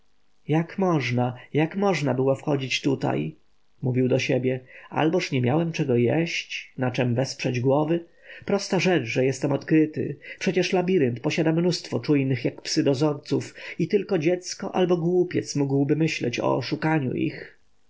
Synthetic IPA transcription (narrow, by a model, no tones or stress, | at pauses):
jakmɔʐnajakmɔʐnabɘwɔfxɔd͡ʑit͡ɕt̪ut̪a̰j | muvʲiwd̪ɔɕebʲjɛa̰lbɔʂɲɛmʲjawɛmt͡ʂɛɡɔjɛɕt͡ɕnat͡ʂɛmvɛspʂɛd͡ʑɡwɔvɘ | pɾɔst̪aʐɛt͡ʂʐɛjɛst̪ɛmɔt̪kɾɘt̪ɘ̰pʂɛt͡ɕɛʂlabʲiɾɛnt̪pɔɕad̪amnust̪fɔt͡ʂujnɘxjakpsɘd̪ɔzɔɾt̪sufit̪ɘlkɔd͡ʑɛt̪skɔʔa̰lbɔɡwupʲjɛ̰t̪smuɡwbɘmɘɕlɛ̰t͡ɕɔ̰ɔ̰ʂukaɲṵʔḭx